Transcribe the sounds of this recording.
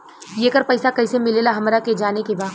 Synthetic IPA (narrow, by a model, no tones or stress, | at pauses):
jeːkəɾpɐɪsakɐisemɪleːlaɦɐmɾaked͡ʒaːnekebaː